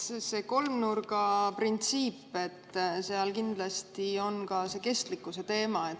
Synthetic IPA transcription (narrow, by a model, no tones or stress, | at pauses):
se̞ko̞lmnurɡ̥ɑprint̪siːpːe̞t̪ːseɑlkind̪̥lɑst̪io̞nkɑse̞ke̞st̪likːˑuse̞t̪e̞ːmɑet̪